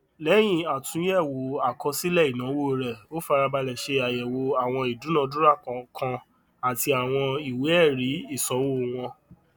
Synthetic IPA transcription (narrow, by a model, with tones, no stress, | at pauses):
lɛ˨˦j̃ĩ˨a˨tũ˨˦jɛ˦˨wo˨a˨kɔ˧si˦lɛ˦˨i˨nã˨˦wo˦˨˦ɾɛ˨o˦fa˧ɾa˧ba˧lɛ˨ʃe˧a˨jɛ˨wo˧a˨w̃ɔ̃˧i˨du˨˦nã˨˧dũ˦ɾa˦˨kkʰã˧ | a˨ti˧a˨w̃ɔ̃˧i˨we˨˦ɛ˦˨ɾi˨˦i˦˨sɔ˨˦wo˦˨w̃ɔ̃˧